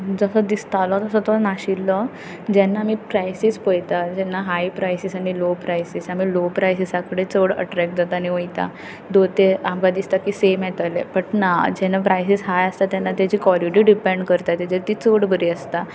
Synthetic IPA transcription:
d͡zəsɔd̪ist̪alɔt̪əsɔt̪ɔnaɕilːɔ | d͡ʑɛnːaːmiːpɾajsispojt̪ad͡ʑɛnːaɦajpɾajsisaɽ̃ilopɾajsisamiːlopɾajsisakɽet͡soɽə̰ʈɾɛk̚ʈ̚d͡zat̪aːñiʋəjt̪a̰ | d̪ot̪eamɡad̪ist̪akiːsemjɛt̪alḛpəʈnad͡ʑɛnapɾajsisɦajəst̪at̪janːat̪jad͡ʑiːkʋɔɾiʈiɖipɛ̃ɳɖkəɾt̪at̪ɛd͡ʑet̪it͡soɽbəɾiːəst̪a

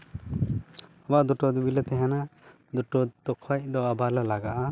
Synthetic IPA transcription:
bad̪ɔʈɔd̪ubilɛt̪ɛɦɛ̃na | d̪uʈɔt̪ɔkʰac̚d̪ɔabalalaɡaʔa

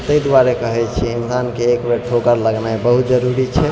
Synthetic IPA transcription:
t̪əjd̪ʋaɾekəɦɛt͡ʃʰiinsankeːkbeʈʰokəɾləɡnaebəɦut̪d͡ʒəɾuɾit͡ʃʰɛ

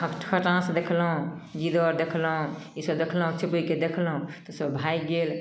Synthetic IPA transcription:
əʈkʰəʈãsd̪ekʰlɦũd͡ʒid̪ɔɾd̪ekʰlɦũisəbd̪ekʰlɦũt͡ʃʰipəiked̪ekʰlɦũt̪ɔsəbbʱajɡel

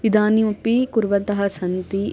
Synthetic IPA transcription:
ʋid̪aːnimɐpikuɾʋɐt̪ɐɦɐsɐnt̪i

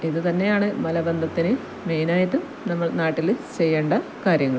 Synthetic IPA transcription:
iðɨt̪ɐnːe̞jaːɳɨmɐlɐbend̪ʱɐt̪ːinɨ | mejnaːjɐt̪ːum | nɐmːɐɭnaːʈːilt͡ɕe̞jːe̞ːɳɖɐkaːɾjɐŋːɐɭ

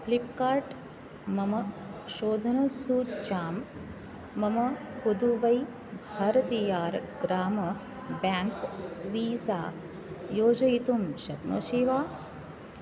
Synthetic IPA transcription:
plipkaːɾʈ | mɐmɐʃoːd̪ʱɐnɐsuːt͡ʃaːmː | ɐmɐ | hud̪uʋɐj | bʱaːɾɐt̪ijaːɾɡɾaːmɐ | baːŋkʋiːsa̰ː | joːd͡ʒɐjit̪umʃɐt̪mɐ̰ʃiʋaː

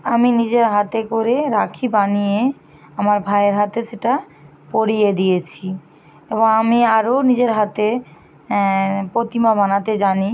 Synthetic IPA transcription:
aminid͡ʑeɾɦat̪ekoɾeɾakʰibanije | amaɾbʱaeɾɦat̪eʃeʈa | poɾijed̪ijet͡ɕʰi | eboŋamiaɾonid͡ʑeɾɦat̪e | pɾot̪imabanat̪ed͡ʑani

